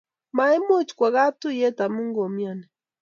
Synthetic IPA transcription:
ma˨˦ɛ˦mo˦t͡ʃkwa˨ɣa˦tu˦jɛ˦ta˨mu˦ŋɡɔ˨mja˨nɛ˨

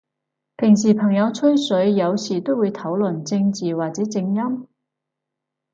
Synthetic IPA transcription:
pʰɪ˨˩ŋs̬iː˨˩pʰɐ˨˩ŋjɐ˨˧wt͡sʰɵ˥ɥsɵ˨˥ɥjɐ˨˧wsiː˨˩t̪o˥wuː˨˧jt̪ʰɐ˨˥wlɵ˨˩nt͡sɪ˧ŋt͡siː˨˩waː˨k̚t͡sɛː˨˥t͡sɪ˧ŋjɐ˥m

